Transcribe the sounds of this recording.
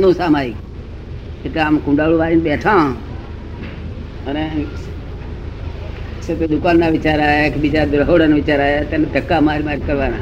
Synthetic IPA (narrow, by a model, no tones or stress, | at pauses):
nõːsaːmaːik | ɪt̪eaːmkũːɳɖaːɽoːʋaːɾiːnɓeːʈʰãː | əne | set̪ed̪ʊkaːnd̪aːʋɪt͡ʃaːɾaːekʰɓid͡ʒaːd̪ʊɾɦoːɽənʋɪt͡ʃaːɾaːjet̪ənd̪ʱəkaːmaːɾimaːɾikəɾʋaːnaː